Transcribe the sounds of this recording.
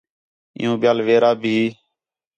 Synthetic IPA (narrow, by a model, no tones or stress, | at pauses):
ɪ̰jũːɓɪjaːlʋeːɾaːbʱiː